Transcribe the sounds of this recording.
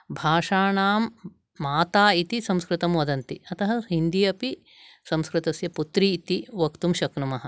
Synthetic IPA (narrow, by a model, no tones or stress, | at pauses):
bʱaːʂaːɳaːmː | aːt̪aːit̪isɐmskɾɪt̪ɐmʋɐd̪ɐnt̪iɐt̪ɐɦɐɦhind̪ijɐpi | sɐ̃mskɾɪt̪ɐsjɐput̪ɾiːt̪iʋɐkt̪umʃɐknumɐɦɐ̆